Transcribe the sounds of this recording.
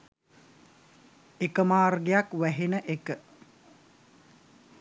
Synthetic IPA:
ekəmaːrɡejakʋæɦenəʔekə

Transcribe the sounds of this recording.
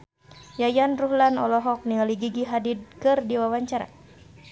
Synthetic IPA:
jajanruɦlanɔlɔɦɔk̚niŋaliɡiɡiɦadid̚kɨrdiwawaɲt͡ʃaɾa̰

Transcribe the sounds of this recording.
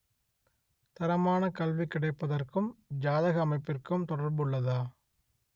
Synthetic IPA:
t̪ɐɾɐmaːnɐkɐlʋikɪɽɐɪpːɐðɐrkɯmd͡ʒaːðɐɣɐːmɐɪpːɪrkɯmt̪ɔɽɐɾbɯɭːɐðaː

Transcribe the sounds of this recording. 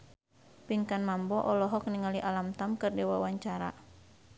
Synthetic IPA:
piŋkanmambɔʔɔlɔɦɔk̚niŋaliʔalamt̪amkɨrdɛwawaɲt͡ʃaɾa̰

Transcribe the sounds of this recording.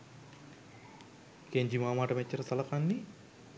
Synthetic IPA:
keɲd͡ʒimaːmaːʈɐmet͡ʃːɐɾɐsɐlɐkanːi

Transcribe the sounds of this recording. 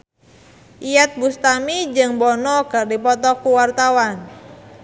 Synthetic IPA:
ʔijat̪̚bust̪amid͡ʒɨŋbɔnɔkɨrdipɔt̪ɔkuwart̪awan

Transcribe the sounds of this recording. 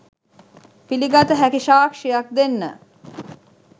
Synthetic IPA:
piliɡat̪əɦækiʃaːkʂijak̚d̪enːə̰

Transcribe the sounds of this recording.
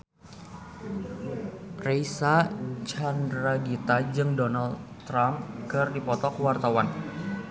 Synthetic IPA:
reisat͡ʃandɾaɡit̪ad͡ʒɨŋdonaldt̪ːɾamkɨrdipɔt̪ɔkwart̪awan

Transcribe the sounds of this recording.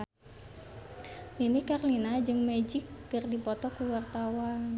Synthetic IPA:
inikarlinad͡ʒɨŋmɛd͡ʒɪk̚kɨrdipɔt̪ɔkuwart̪awan

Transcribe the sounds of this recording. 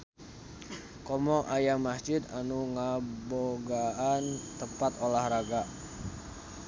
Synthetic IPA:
kɔmɔʔajaŋmasd͡ʒɪd̪anuŋəboɡaʔant̪əpat̪olahraɡa

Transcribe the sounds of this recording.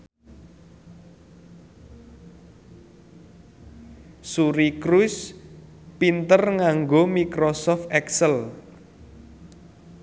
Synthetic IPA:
suɾikɾus | pint̪ərŋaŋɡomikɾɔsɔft̪ɛksəl

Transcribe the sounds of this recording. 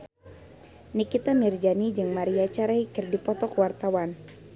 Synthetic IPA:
nikit̪amird͡ʒanid͡ʒɨŋmaɾiat͡ʃaɾaikɪrdipɔt̪ɔkwart̪awan

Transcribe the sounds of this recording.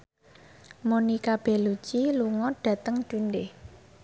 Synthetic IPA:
monikab̥ɛ̤lut͡ʃiluŋɔɖ̥ä̤t̪əŋd͡ʒ̥unɖeh

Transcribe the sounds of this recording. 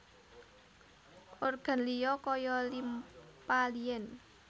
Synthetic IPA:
ʔorɡ̥a̤nlijɔkɔjɔlimpalijɛn

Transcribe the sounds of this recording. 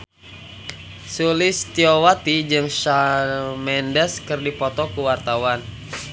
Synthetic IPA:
sulɪst̪iowat̪id͡ʒɨŋʃamɛndɛskɨrdipɔt̪ɔkuwart̪awan

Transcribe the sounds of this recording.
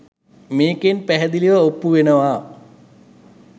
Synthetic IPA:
meːkenpæɦɛd̪iliʋəopːuʋenəʋaː

